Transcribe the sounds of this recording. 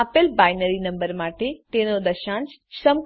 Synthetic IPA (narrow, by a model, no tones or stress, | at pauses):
apəlbajnəɾinəmbəɾmaʈet̪enod̪əʃãnt͡ʃ | səm